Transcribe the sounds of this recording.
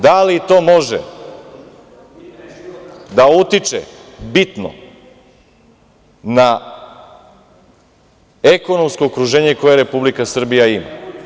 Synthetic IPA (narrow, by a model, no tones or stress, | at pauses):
d̪alit̪o̞ːmo̞ʒḛ | d̪aut̪it͡ʃḛbit̪no̰ | na | e̞ko̞no̞msko̞ːkɾuʒe̞ːɲeko̞je̞ɾe̞publikasr̩bijaima̰